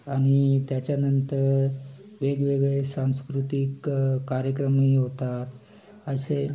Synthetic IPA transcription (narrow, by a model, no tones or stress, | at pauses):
aɽ̃it̪jat͡ɕjanənt̪əɾ | ʋeɡʋeɡɭesãw̃skɾut̪ikːaɾjəkɾəmiɦot̪at̪ | əse